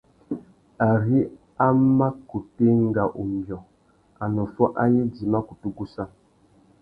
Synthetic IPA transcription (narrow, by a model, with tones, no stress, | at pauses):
a˨ɾi˦ | a˦ma˦ku˨te˦ŋ˦ɡa˨ʔu˨mbjɔ˨ | a˨nɔ˨fɔ˦ʔa˦ji˦di˨ma˦ku˨tu˦ɡu˦sa˦